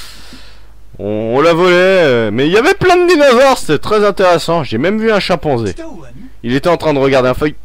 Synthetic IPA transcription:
ɔ̰̃ːlavɔlɛømɛiljavɛplɛ̃d̪d̪inɔzɔʁse̥t̪ɛt̪χɛzɛ̃t̪eʁesɑ̃ʒemɛmvyɛ̃ʃɑ̃pɔ̃ze | ilet̪ɛɑ̃t̪χɛ̃d̪əʁəɡaʁd̪eɛ̃fœj

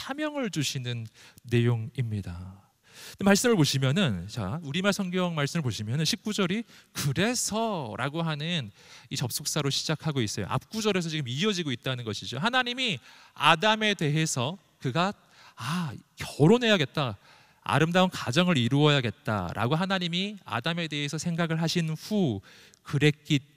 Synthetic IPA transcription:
sʰamjʌŋɯɭd͡ʑuɕʰinɯnːe̞joŋimɲida | emaɭs͈ɯmɯɭpoɕʰimjʌnɯnt͡ɕauɾimasʰʌŋɡjʌŋmaɭs͈ɯmɭp̬oɕʰimjʌnɯnɕʰip̚k͈ud͡ʑʌɾikɯɾe̞sʰʌɾʔaɡoɦanɯnit͡ɕʌp̚s͈ok̚s͈aɾoɕʰid͡ʑakʰaɡois͈ʌjo̰ʔa̰p̚k͈ud͡ʑʌɾe̞sʰʌt͡ɕiɡɯmiʌd͡ʑiɡoit̚t͈anɯnɡʌɕʰid͡ʑoɦanaɲimia̰dame̞de̞ɦe̞sʰʌ | kɯɡa | akjʌɾonɦe̞jaɡe̞t̚t͈a | a̰ɾɯmdaunkad͡ʑʌŋɯɾiɾuʌjaɡe̞t̚t͈a̰ɾʔa̰ɡoɦanaɲimia̰dame̞de̞ɦe̞sʰʌsʰe̞ŋɡaɡɯɭɦaɕʰinɸu | kɯɾe̞k͈i

